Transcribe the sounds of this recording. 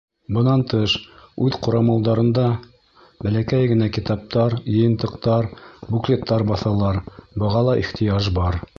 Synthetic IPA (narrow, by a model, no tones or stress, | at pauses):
bɤ̆nɑnt̪ɤʃʉðqŏɾɑmɑlˠd̪ɑɾɤ̆nd̪ɑ | bælækæjɡɘ̆nækit̪ɑp̚t̪ɑɾjɤ̆jɤ̆nt̪ɤ̆qt̪ɑɾbuklʲet̪ːɑɾbɑθɑlˠɑɾbɤ̆ʁɑlˠɑʔiχt̪ʰĭjɑʒbɑɾ